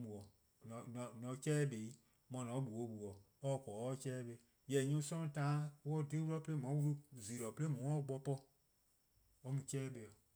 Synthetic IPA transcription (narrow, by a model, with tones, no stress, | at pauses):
mũ˨ɔ˨ | nɔ̃˨nɔ̃˨nɔ̃˨˦t͡ʃɛː˦be˨i˦ | mɔ̃˨nɔ̃˨˦bu˨o˨˦ɓu˨ɔ˨ɔ˦˨kɔː˨˦t͡ʃɛ˦be˨ | jɛ˨ɲũ˦sɔ̃˦tã˦wɔ˦de˦wu˦ɔ˦ple˦mɔ̃˨˦wu˦ɾu˦zi˨ɾɔ˨ple˦mɔ̃˨˦ɔ˦˨ɡ͡bɔ˧pɔ˦ | ɔ˧mũ˨˦t͡ʃɛ˦be˨ɔ˨